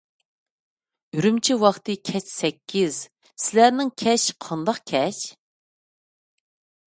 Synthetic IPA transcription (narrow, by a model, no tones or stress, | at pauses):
yɾymt͡ʃʰiwɑχt̪ɨkʲʰɛt͡ʃsɛkʲːiz̥ | sɪlæɾnɪŋkʲʰɛʃqʰɑnd̪ɑqkʲʰɛʃ